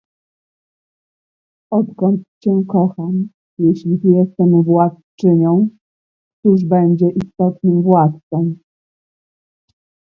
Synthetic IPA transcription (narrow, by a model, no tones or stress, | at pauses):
ɔt̪kɔnt̪t͡ɕɛkɔxam | jɛɕlʲivjɛst̪ɛmvwat̪t͡ʂɘɲɔ̃w̃ | t̪uʐbɛɲd͡ʑɛʔist̪ɔt̪nɘmvwat̪̚t̪sɔm